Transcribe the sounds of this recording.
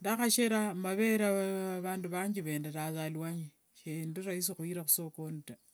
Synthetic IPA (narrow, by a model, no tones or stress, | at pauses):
ndaxaʃeɾamaβeɾaβaːnduβaːɲd͡ʒiβe̞ːndetazalwaɲi | ʃindiɾais̬ixwiɾaxu̥sokonuta